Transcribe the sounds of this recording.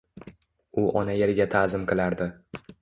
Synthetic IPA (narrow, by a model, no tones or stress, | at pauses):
ʊʔɒnajeɾɡʲat̪ʰazɪmqʰɨlˠaɾd̪ɪ